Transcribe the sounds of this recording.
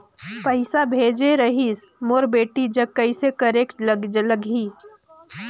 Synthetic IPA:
pəɪsabʱeːd͡ʒeɾɐɦismoɾbeːʈid͡ʒɐkɐisekɐɾeːkʈlələɡʱiː

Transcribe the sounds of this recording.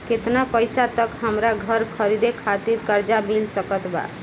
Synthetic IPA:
ket̪napəjsat̪əkɦəmɾaɡʱəɾkʰəɾid̪ekʰat̪iɾkəɾd͡ʒamilsəkət̪ba̰

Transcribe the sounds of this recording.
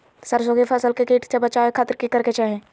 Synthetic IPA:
səɾsoːɡepʰəsəlkekiːʈʰsebət͡ʃaːekʰaːt̪ɪɾkikəɾket͡ʃaːɦẽː

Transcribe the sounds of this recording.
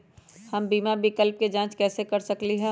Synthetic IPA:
hɐmbiːmabɪkəlp̚ked͡ʒãːt͡ʃkɛːsekɐɾsɐkliɦɛ̃ː

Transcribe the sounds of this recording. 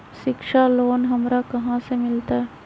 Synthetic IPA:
ʃɪkʃaloːnɦɐmɾakɐɦãsemɪlt̪aɦɛ

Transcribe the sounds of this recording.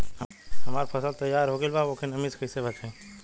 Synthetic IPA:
ɦɐmaːɾpʰɐsəlt̪ɐjaːɾɦoːɡelbaːokʰenɐmiskʰəsebɐt͡ʃẽː

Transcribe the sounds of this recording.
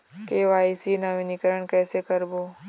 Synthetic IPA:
keːʋaːisinaʋinikəɾəɳ̃kɛːsekəɾboː

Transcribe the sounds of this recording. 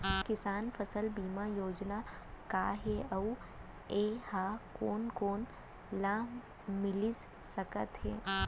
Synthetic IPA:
kɪsaːnfʰɐsəlbiːmajoːd͡ʒna | kaːɦeɐu | eːhaːkoːnkoːn | lãː | mɪliz | sɐkət̪ɦɛː

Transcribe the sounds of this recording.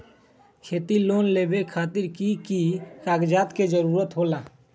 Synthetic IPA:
kʰeːt̪iloːnleːbekʰaːt̪ɪɾkikikaːɡd͡ʒaːt̪ked͡ʒəɾuːɾət̪ɦoːla

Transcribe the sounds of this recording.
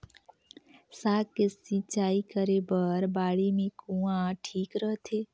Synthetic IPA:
saːkesĩt͡ʃaːikəɾebəɾbaːɽimẽkũːãʈʰiːkɾəɦt̪ʰeː

